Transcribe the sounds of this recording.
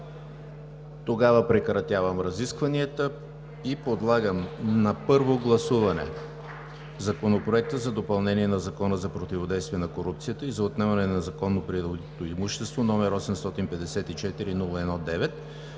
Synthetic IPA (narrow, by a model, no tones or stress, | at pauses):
t̪oɡavəpɾɛkɾɐt̪ʲjavɐmɾɐziskvɐniɛt̪ə | ipod̪lˠaɡəmnɐpɤɾvoɡlˠɐsuvɐnɛ̰ | zɐkonopɾoɛk̚t̪əzɐd̪opɐlˠnɛniɛnɐzɐkɔnəzɐpɾot̪ivod̪ɛjst̪viɛnɐkoɾupt̪sijət̪əizɐot̪nɛmɐnɛnɐzɐkɔnːopɾiot̪oimuʃt̪ɛst̪vonɔmɛɾɔsɛmst̪ɔt̪inpɛd̪ɛsɛt̪it͡ʃɛt̪iɾinulˠəɛnɔd̪ɛvɛt̪̚